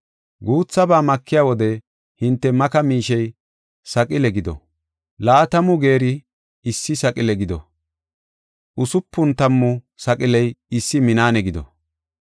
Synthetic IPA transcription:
ɡuːt͡sːɐbaːmɐkʰːɪjaːwɔd̪ɛ | hɪnt̪ːɛmɐkɐmiːʃɛj | sɐkʼɪlɛɡɪd̪ɔ̰ | laːt̪ɐmʊɡeːɾɪː | sːɪsɐkʼɪlɛɡɪd̪ɔ̰ | ʔʊsʊpːʊnt̪ɐmːʊ | sɐkʼɪlɛjɪsːɪmɪnaːnɛɡɪd̪ɔ̰

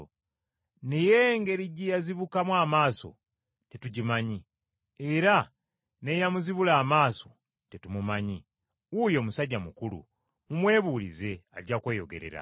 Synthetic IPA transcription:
nije̞ŋɡe̞ɾiɟijaziβukamwaːmaːso̞̰ | tetuɟimaɲi | eɾa | ne̞jamuziβulaːmaːso̞ | tetumumaɲi | wujo̞ːmusaɟːamukulṵ | mumwe̞ːβuːlḭze̞aɟakwe̞ːjo̞ɡe̞̰ɾe̞̰ɾa̰

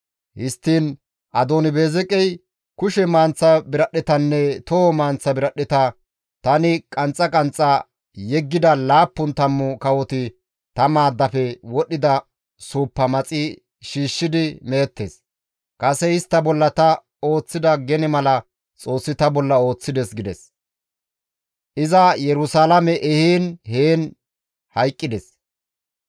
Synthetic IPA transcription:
hɪst̪ːiːn | ʔɐd̪oːnɪbe̞ːzɛkʼɛj | kʊʃɛmaːnt͡sːɐbɪɾɐɗːɪt̪ɐnːɛt̪ɔɔmaːnt͡sːɐbɪɾɐɗɪt̪ɐ | t̪ɐnɪkʼɐnt͡sʼːɐkʼɐnt͡sʼːɐ | jɛɡːɪd̪ɐlaːpːʊnt̪ɐmːʊkɐwɔt̪ɪ | t̪ɐmaːd̪ːɐfɛwɔɗːɪd̪ɐ | suːpːɐmɐt͡sʼɪ | ʃiːʃːɪd̪ɪmeːt̪ːḛs | kʼɐsɛɪst̪ːɐbɔlːɐt̪ɐ | o̞ːt͡sːɪd̪ɐɡɛnɪmɐlɐ | t͡sʼo̞ːsːɪt̪ɐbɔlːɐo̞ːt͡sːɪd̪ɛsɡɪd̪ɛs | ʔɪzɐjɛɾʊsalɐmɛʔɛhiːnheːn | hɐjkʼːɪd̪ɛs

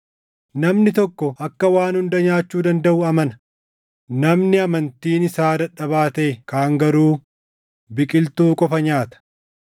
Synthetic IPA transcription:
nɐmnɪt̪ɔkːɔʔɐkːɐwaːnhʊnd̪ɐɲaːt͡ʃːuːd̪ɐnd̪ɐʔʊɐmɐnɐ | nɐmnɪɐmɐnt̪iːnɪsaːd̪ɐᶑːɐβaːt̪e̞ːkaːŋɡɐɾuː | bɪkʼɪlt̪uːkʼɔfɐɲaːt̪ɐ̥

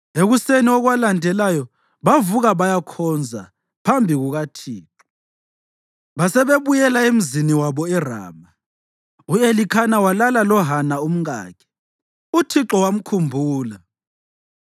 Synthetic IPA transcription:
eɣuseniɔɣwalandʱɛlajɔ | βavuɣaβajakʰɔnd͡zʱa | pʰambʱiɣuɣatʰiːǁɔ | βasɛβeβujɛlaem̩ziniwaβɔɛra̰ːma | uelikʰanawalalalɔɦanaum̩ɣa̰ːkʰɛ̥ | utʰiǁɔwam̩kʰumbʱuːla

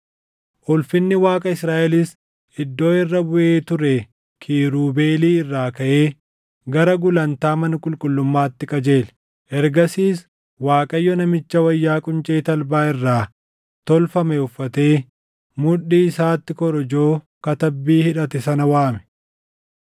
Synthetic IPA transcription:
ʔʊlfɪnːɪwaːkʼɐɪsɾaːʔɛlɪs | ɪd̪ːo̞ːɪrːɐbʊʔeːt̪ʊɾɛ | kʰiːɾuːbe̞ːliːɪrːaːkɐʔe̞ː | ɡɐɾɐɡʊlɐnt̪aːmɐnɐkʼʊlkʼʊlːʊmːaːt̪ːɪkʼɐd͡ʒe̞ːl | ʔɛɾɡɐsiːs | waːkʼɐjːɔnɐmɪt͡ʃːɐwɐjːaːkʼʊnt͡ʃʼe̞ːt̪ɐlbaːɪrːaː | t̪ɔlfɐmɛʊfːɐt̪e̞ː | mʊᶑːiːɪsaːt̪ːɪkɔɾɔd͡ʒoː | kɐt̪ɐbːiːhɪᶑɐt̪ɛsɐnɐwaːmɛ̥

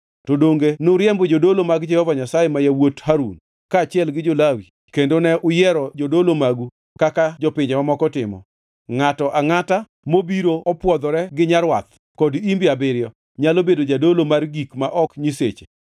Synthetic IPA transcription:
todoŋɡenoɾjɛmbɔd͡ʒodolomaɡd͡ʒɛhɔvaɲasajemajawothaɾṵn | kaːt͡ʃɪɛlɡɪd͡ʒolawi | kendonɛʔʊjɛɾɔd͡ʒodolomaɡu | kakad͡ʒɔpɪɲd͡ʒɛmamɔkɔtɪ̰mɔ̰ | ŋatɔʔaŋata | mobiɾoɔpwɔd̪ɔɾɛɡɪɲaɾwa̰t̪̚ | kɔdimbɪabɪɾjɔ | ɲalobedod͡ʒadolomarɡikmaʔɔkɲiset͡ʃe̥

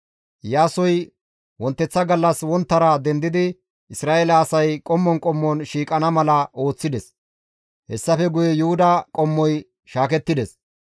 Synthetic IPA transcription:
jaːsɔj | wɔnt̪ːɛt͡sːɐɡɐlːɐswɔnt̪ːɐɾɐd̪ɛnd̪ɪd̪ɪ | ɪsɾaːʔelɐːsɐjkʼɔmːɔnkʼɔmːɔnʃiːkʼɐnɐmɐlɐo̞ːt͡sːɪd̪ɛs | hɛsːɐfɛɡʊjɛjʊhʊd̪ɐkʼɔmːɔj | ʃaːkɛt̪ːɪd̪ɛs

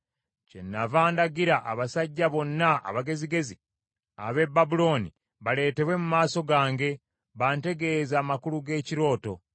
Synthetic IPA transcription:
ce̞̰nːavaːndaɡiɾaʔaβasaɟːaβo̞nːaa̰βaɡe̞ziɡe̞zi | a̰βe̞babulo̞ːnḭ | βale̞ːte̞βwe̞mumaːso̞ɡaːŋɡe̞ | βaːnte̞ɡe̞zaːmakuluɡe̞ːciɾo̞ːto̞

